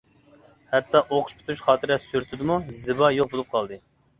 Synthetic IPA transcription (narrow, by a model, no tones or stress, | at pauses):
hɛt̪ːɑʔoqʰʊ̥ʃpʰʊ̥t̪ʰut͡ʃχɑːt̪ʰɨɾɛssyɾt̪ʰɪd̪ɪmuzɪbɑjoχ̚bolˠup̚qʰɑlˠd̪ɨ